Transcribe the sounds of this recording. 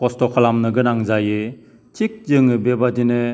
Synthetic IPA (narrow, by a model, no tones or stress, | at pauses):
kɔstɔkʰalamnɯɡɯnaŋzajɯ | tʰik̚zɯŋɯbebadinɯ